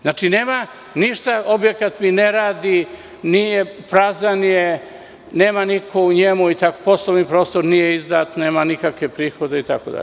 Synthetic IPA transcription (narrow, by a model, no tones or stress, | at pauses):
znaːt͡ʃineːma | niʃt̪ao̞bje̞kat̪mineɾaːd̪i | nijepɾazanije | neːmanikʰo̞uɲemuit̪ako̥po̞slˠoʋnipɾo̞ːst̪oɾnijeizd̪at̪neːmanikakʋe̞pɾiːxo̞d̪eit̪a̰kod̪a̰ʎ